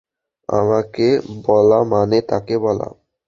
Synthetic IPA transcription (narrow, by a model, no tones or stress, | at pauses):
a̰makebɔlamanet̪akebɔla̰